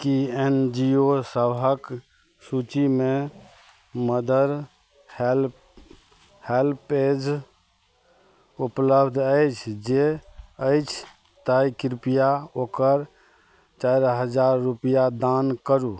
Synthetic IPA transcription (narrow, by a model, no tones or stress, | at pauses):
kiend͡ʒiosəbʱək | sut͡ʃime | məd̪əɾ | hl | helped͡ʒ | upləbʱd̪ʱəjt͡ʃʰd͡ʒeəjt͡ʃʰ | t̪ajkiɾpijaokəɾ | t͡ʃajɾɦəd͡ʒaɾːupijad̪ankəɾu